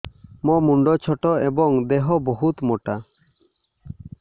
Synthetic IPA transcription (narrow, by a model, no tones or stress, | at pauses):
mɔmuɳɖɔt͡ʃʰɔʈɔebɔŋd̪eɦɔbɔɦut̪mɔʈa